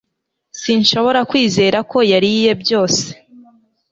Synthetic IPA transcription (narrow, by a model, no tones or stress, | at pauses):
sinʃo̞βo̞ɾakwiːze̞ːɾako̞jaɾije̞bjo̞ːse̞̥